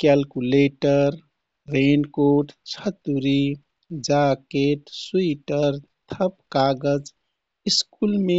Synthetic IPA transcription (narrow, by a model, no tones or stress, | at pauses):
kɛlkuleʈəɾ | ɾenkoʈt͡ʃʰət̪uɾi | d͡ʒakeʈsuiʈəɾt̪ʰəpkaɡəd͡ʒ | iskulme